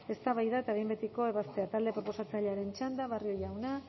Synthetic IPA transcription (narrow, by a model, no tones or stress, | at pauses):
e̞st̪aβajðaet̪aβembet̪iko̞e̞βast̪e̞at̪ald̪e̞pɾo̞po̞sat͡saʎeaɾe̞nt͡ʃand̪aβario̞jawna